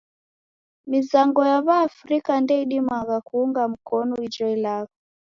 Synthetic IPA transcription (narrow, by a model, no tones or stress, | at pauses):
mizaŋɡɔjaβaːfɾikandɛiɗimaɣakuːŋɡam̩kɔnɔid͡ʒɔilaɣɔ